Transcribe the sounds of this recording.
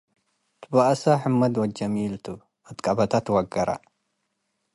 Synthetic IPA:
t̪ʰɨbaʔɐsaħɨmːɐd̪wɐd͡ʒɐmilt̪ʰu | ɐt̪kʼɐbɐt̪ʰat̪wɐɡɐɾa̰

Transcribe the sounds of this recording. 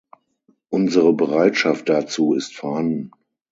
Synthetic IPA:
ʔʊnzəʁəbəʁaɪtʃaft̚d̥at͡suːɪstfɛɐhandn̩

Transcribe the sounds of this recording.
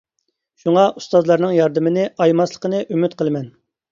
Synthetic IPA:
ʃuŋɑʔust̪ɑzlˠɑɾnɨŋjɑɾd̪ɨmɪnɪʔɑjmɑslˠə̥qənɨʔymyt̪̚qʰəlˠɨmɛn

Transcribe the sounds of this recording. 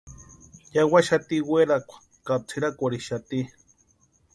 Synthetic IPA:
jawaʃat̪iweɾakʷḁ | kat͡sʰiɾakʷaɾiʃat̪i

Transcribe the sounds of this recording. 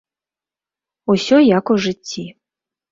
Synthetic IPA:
usʲɔjakuʐɨt͡sʲːi

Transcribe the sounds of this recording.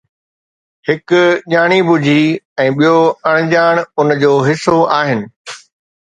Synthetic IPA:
hɪkʄaːɽ̃ibʊd͡ʑʱiɛ̃ːɓijoɐɽ̃d͡ʑaːɽ̃ʊnd͡ʑoːɦɪsoaːɦɪnɪ̆

